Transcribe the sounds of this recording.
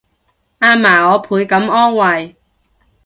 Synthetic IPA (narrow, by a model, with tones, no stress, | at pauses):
ʔaː˧maː˨˩ɔː˨˧pʰuː˨˥jkɐ˨˥mɔː˥ŋwɐ˨˩j